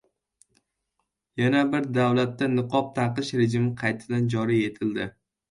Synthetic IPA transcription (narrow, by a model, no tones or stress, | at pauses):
janabɪɾd̪awlat̪ːanɨqʰɒp̚t̪ʰaqɨʃɾed͡ʒɪmɪqʰɑjt̪ʰɪd̪and͡ʒɒɾije̞t̪ʰɪld̪ɪ